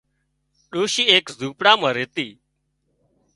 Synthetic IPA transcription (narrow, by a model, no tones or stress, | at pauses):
ɗoːʃiːeːkzuːpɽaːmãːɾeːt̪iː